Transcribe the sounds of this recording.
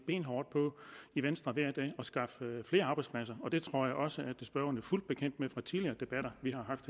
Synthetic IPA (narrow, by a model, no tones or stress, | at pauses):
b̥e̝̰ːnɦɒːd̥̚pʰɒ̽iʋensd̥ʁɐʋæɐ̰d̥ɛ̰ːɒ̽sɡ̥ɑ̈ffle̝ːɐɑ̈ːbɪspʰlæsɐɒ̽d̥e̝t͡sʰʁo̝ɐ̰jɑ̈ɪɒ̽səʔæd̥sb̥ɶɐɐnəɐful̰d̥̚b̥e̝kʰen̰d̥mefʁɑ̈t͡sʰiðliɐːd̥e̝b̥æɾ̥ɐʋiɦɑ̈ɦɑ̈fd̥